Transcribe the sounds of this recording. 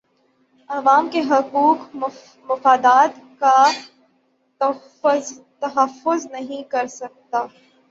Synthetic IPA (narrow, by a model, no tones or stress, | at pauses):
ɐʋaːmkeɦɐquːk | mʊfaːd̪aːt̪ka | t̪ɐɦɐfːʊznɐɦĩkɐɾsɐk̚t̪aː